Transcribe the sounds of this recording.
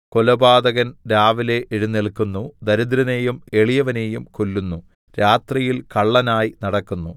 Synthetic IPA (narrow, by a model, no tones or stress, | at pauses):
kolɐbaːd̪ɐɣɐnɾaːʋile̞ʔeɻunːiɭkunːud̪ɐɾud̪ɾɐne̞jume̞ɭijɐʋɐne̞ːjumkolːunːu | ɾaːt̪rijilkɐɭːɐnaːjinɐɽɐkːunːu